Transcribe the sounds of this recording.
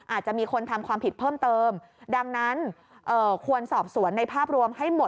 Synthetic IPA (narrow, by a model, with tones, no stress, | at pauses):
ʔaː˨˩t̪̚t͡ɕa˨˩ʔmiː˧kʰo˧nt̪ʰa˧mkʰwaː˧mpʰi˨˩pʰɤː˥˩mt̪ɤː˧m | da˧ŋna˦˥n | ʔɤː˨˩kʰu˧ənsɔː˨˩p̚su˩˦ənːa˧jpʰaː˥˩p̚ɾu˧əmha˥˩jmo˨˩